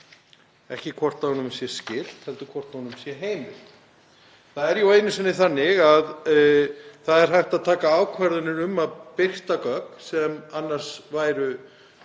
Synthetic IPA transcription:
ɛhcɪkʰvɔr̥t̪aɔnʏmsjɛscɪl̥t̪hɛlt̪ʏkʰvɔr̥t̪anʏmsjɛɦeːjmɪl | θaðɛɾjaweːjnʏsvɛnːɪθanːɪɣað | θaðɛɾ̥ɦajht̪aðt̪ʰaːkaaːwkʰvaɾðʏnɪɾʏmaðpɪr̥t̪akœːksɛmanːar̥svaːjɾʏ

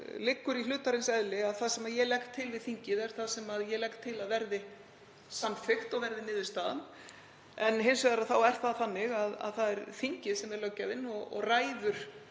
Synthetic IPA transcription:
lɪkːʏɾilʏːt̪aɾɪnsɛðlɪaðθaðsɛmaðjɛlɛxkt̪ʰːɪlvɪðθiɲcɪðɛɾ̥θaðsɛmaðjɛlɛkt̪ʰːɪlaðvɛɾðɪ | samfɪxt̪ɔɣvɛɾðɪnɪːðɪst̪aːðan | ɛnɦɪns̬vɛɣðaɾaðθawɛɾ̥θaðθanːɪɣaða̰ðθaðɛɾθiɲcɪðsɛmɛɾlœcːaðɪnɔɣɔ̰ɣraːjðʏɾ̥

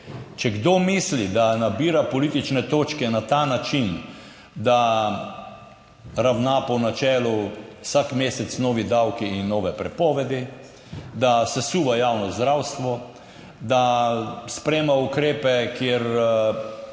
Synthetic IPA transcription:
t͡ʃɛɡd̪oːmislid̪anabiːɾapɔliːt̪it͡ʃnɛt̪oːt͡ʃkɛnat̪aːnat͡ʃin | d̪a | ɾawnaːpɔnat͡ʃɛːlɔsakmeːsɛt̪snɔːʋid̪awkiːnːɔːʋɛpɾɛpɔːʋɛd̪i | d̪asɛsuːʋajaːwnɔzd̪ɾawst̪ʋɔ | d̪aspɾeːmaukɾeːpɛkjeɾ

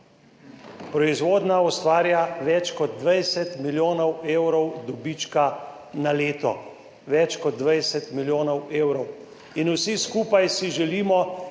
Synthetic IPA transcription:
pɾɔizʋoːd̪naɔst̪ʋaːɾjaʋɛt͡ʃkɔd̪̚d̪ʋajsɛt̪miljoːnɔweːwɾɔwd̪ɔbit͡ʃka | naleːt̪ɔ̰ | ʋɛt͡ʃkɔd̪̚ːʋajsɛt̪miljoːnɔweːwɾɔw | inusiskuːpajsiʒɛliːmɔ

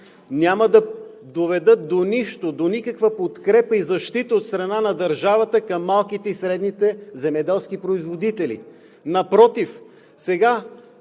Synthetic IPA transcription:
nʲjaməd̪ɐ | d̪ovɛd̪ɤt̪̚d̪oniʃt̪od̪onikəkvəpot̪kɾɛpəizɐʃt̪it̪əot̪st̪ɾɐnanɐd̪ɐɾʒavət̪əkɐmːalˠkit̪ɛisɾɛd̪nit̪ɛzɛmɛd̪ɛlˠsk̟ipɾoizvod̪it̪ɛlḭ | nɐpɾɔt̪if | sɛɡa

